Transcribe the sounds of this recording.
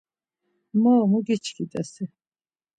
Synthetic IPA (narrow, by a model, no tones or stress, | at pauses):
mɔːmuɡit͡ʃʰkʰit̪ʼɛsi